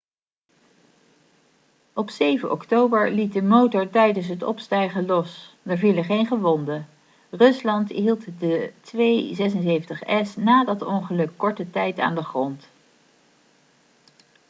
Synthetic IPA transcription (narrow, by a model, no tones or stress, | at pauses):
ʔɔpsejvənʔɔ̰ktowbəɹlit̚dəmowtɔɹtɛjdəns̬ɦətɔ̰pstɛjχəlɔs | dɛɹviləχejnχəʋɔndə | rɵslɑntɦilˠtdətʋejzɛs̬ənzejəntəχɛsnaːdɑtɔŋχəlɵkːɔɹtətɛjta̰ːndəχrɔnt